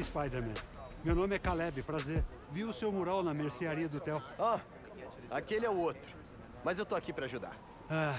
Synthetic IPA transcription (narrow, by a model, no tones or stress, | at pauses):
ispajd̪eɾmɛ̰̃mewnõmɪɛkalɛbɪpɾazeɾ | viwʊsewmoɾawnɐmeɾsiaɾiɐd̪ʊt̪ɛwa | akelɪɛʊot̪ɾʊ | mɐzewt̪oakipɾɐaʒud̪a̰ɾ | a